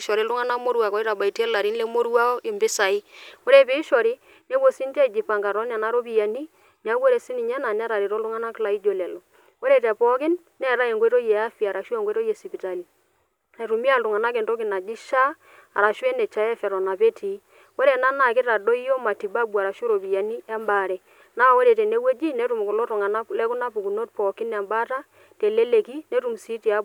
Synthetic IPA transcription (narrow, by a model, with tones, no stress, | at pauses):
ʃɔ˨ɾi˨˦lʊ˦ŋa˦na˦mo˦ɾwa˨kɔ˦i˦ɾa˨ba˨i˨tɛ˦la˨ɾi˦nle˦mo˦ɾu˦a˦ɔ˦ʔɪ˨mbɪ˦sa˨i˦ko˦ɾe˦˨pe˨˦i˦ʃɔ˨ɾi˦ | ne˦bo˦si˦n˦tɛ˦˨d͡ʒi˨pa˨ŋɡa˨ɾɔ˦n˦a˨na˦ɾo˦pi˦˨ja˨ni˦ | ni˨˦a˦wo˦ɾe˨si˦ni˨ɲɛ˦na˨nɛ˦ɾa˨ɾi˨ɾo˦lʊ˦ŋa˦na˦kla˨i˦d͡ʒo˨lɛ˨lɔ˨ | ko˦ɾe˦˨tɛ˨pɔ˦kɪ˦nːɛ˦˨ɾa˦e˨ŋɡwi˦ɾo˦jɛ˨a˦fi˨a˨ɾa˨ʃu˦ɛ˦˨ŋɡwɾo˦je˨si˨pi˨ta˨li˨ | ne˨ɾu˨mi˦a˦˨lʊ˨ŋa˨na˦kɛ˨nto˦kɪ˨na˨d͡ʒi˦ʃa˦ | a̰˨ɾa˨ʃwɛ˦nɛ˨t͡ʃa˨ɛ˦fɛ˨ɾɔ˨na˨pe˦tʰi˨˦ | wo˦ɾe˨na˦na˨kɪ˦ta˨do˦i˦o˦ma˨ti˨ba˦bu˨a˨ɾa˨ʃu˦ɾo˨pi˨ja˨ni˦ɛ˦mba˨ɾɛ˨ | na˦˨wo˦ɾe˨tɛ˨ne˦we˦d͡ʒi˦nɛ˦tu˨m˨kʊ˨lo˦ɾʊ˨ŋa˨na˦lɛ˦kʊ˦na˦pu˨ku˨no˦t̚pɔ˨kɪ˦na˨mba˦ta˦ | te˨le˦le˨ki˦ne˦tu˨m˨si˦ti˨a˦b